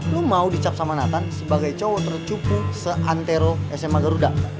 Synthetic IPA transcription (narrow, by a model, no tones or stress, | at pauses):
lumaudit͡ʃap̚samanat̪ansəbaɡajt͡ʃɔwɔt̪ərt͡ʃupusəʔant̪eɾoɛsɛmaɡaɾuda